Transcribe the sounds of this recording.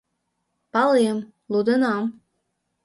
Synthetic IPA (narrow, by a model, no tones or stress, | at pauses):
pɑlijəm | lud̪ənɑm